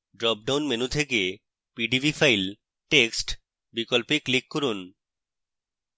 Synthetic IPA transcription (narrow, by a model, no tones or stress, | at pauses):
ɖɾɔp̚ɖawnmenut̪ʰeke | piɖibʱifajl | ʈeksʈ | bikolpeklikːoɾun